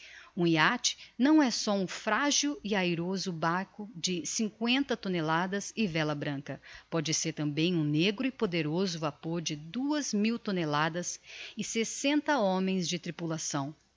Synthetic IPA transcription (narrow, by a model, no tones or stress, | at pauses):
ũiat͡ʃɪ̥nɐ̃w̃ɛsɔũfɾaʒʊɪajɾozʊbaɾkʊd͡ʒɪsĩkwẽnt̪ɐt̪onelad̪ɐzɪvɛlɐbɾɐ̃kɐpɔd͡ʒɪseɾt̪ɐ̃bẽj̃ũneɡɾʊɪpod̪eɾozʊvapoɾd͡ʒɪd̪uɐzmiwt̪onelad̪ɐsɪsesẽnt̪ɐõmẽj̃zd͡ʒɪt̪ɾipulasɐ̃w̃